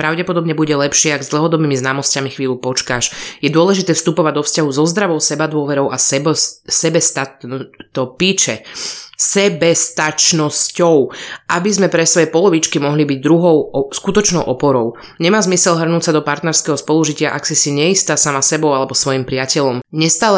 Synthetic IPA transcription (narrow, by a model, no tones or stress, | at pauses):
pɾaʊɟɛpɔd̪ɔbɲɛbuɟɛlɛpʃɪɛaɡzd̪l̩ɦɔd̪ɔbiːmiznaːmɔscamixʋiːlupɔt͡ʃkaʃjɛd̪ʊɔlɛʒit̪ɛːfst̪upɔʋaɟ̚d̪ɔfscaɦuzɔzd̪ɾaʋɔʊsɛbad̪ʊɔʋɛɾɔʊʔaɛsɛbɛst̪at̪t̪ɔpiːt͡ʃɛsɛbɛst̪at͡ʃnɔscɔʊʔabizmɛpɾɛsʋɔjɛpɔlɔʋit͡ʃkimɔɦlibiɟd̪ɾuɦɔʊskut̪ɔt͡ʃnɔʊʔɔpɔɾɔʊ | ɲɛmaːzmisɛlɦr̩nuːcsad̪ɔpaɾt̪nɛɾskɛɦɔspɔluʒicɪaʔaksisiɲɛist̪aːsamasɛbɔʊalɛbɔsʋɔjimpɾɪacɛʎɔmɲɛst̪aːlɛ